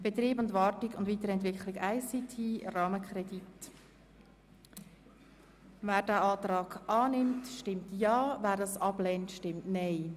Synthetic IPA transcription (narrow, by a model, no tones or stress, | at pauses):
b̥et̪riːbʊndvɑːrtɪɡʊndʋiːtəɾɛntʋɪkχlɪkaɪsitʰiːrɑːməkʰrɛdit | væːɾdæɑːtɾɑːɡʔɑːnɪmtʃtɪmtjɑːvæːɾdɑsɑb̥lɛntʃtɪmtnɛɪ